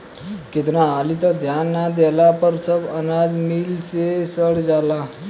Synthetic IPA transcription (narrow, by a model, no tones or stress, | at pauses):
ket̪ɾãːlit̪əd̪ʱjanːad̪ɛlapəɾsəbənad̪milsesəɽd͡zala